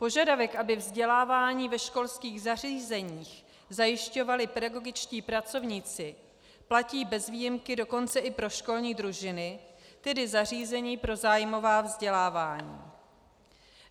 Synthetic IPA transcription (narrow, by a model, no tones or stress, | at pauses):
po̞ʒadavɛkʔabɪvzɟɛlaːvaːɲiːvɛʃko̞lskiːɣzar̝iːzɛɲiːx | zajɪʃco̞valɪpɛdaɡo̞ɡɪt͡ʃciːpɾat͡so̞vɲit͡sɪ | placiːbɛzviːjɪmkɪdo̞ko̞nt͡sɛʔɪpɾo̞ʃko̞lɲiːdɾuʒɪnɪt̪ɛdɪzar̝iːzɛɲiːpɾo̞zaːjmo̞vaːvzɟɛlaːvaːɲḭː